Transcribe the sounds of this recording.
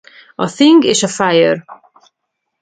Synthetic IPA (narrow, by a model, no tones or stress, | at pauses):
ɒθiŋɡeːʃɒfajør